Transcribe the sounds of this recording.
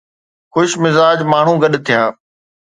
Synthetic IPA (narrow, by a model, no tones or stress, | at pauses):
xʊʃmɪzaːd͡ʑmaːɳ̤ũːɡɐɗt̪ʰijãː